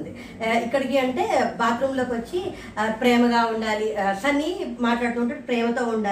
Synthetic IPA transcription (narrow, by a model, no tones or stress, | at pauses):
nd̪i | ikːɐɽikiɐɳʈe̞ːbaːt̪ɾuːmlo̞ːkiʋɐt͡ʃːi | pɾɛːmɐɡaːuɳɖaːlisɐnːimaːʈlaːɽt̪uːɳʈaɽipɾɛːmɐt̪o̞ːuɳɖaː